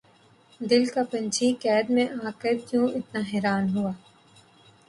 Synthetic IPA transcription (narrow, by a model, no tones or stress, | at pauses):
d̪ɪlkapɐ̃nt͡ʃʰikɛːd̪mẽʔaːkəkjũːʔɪt̪naɦɛːɾaːnɦuaː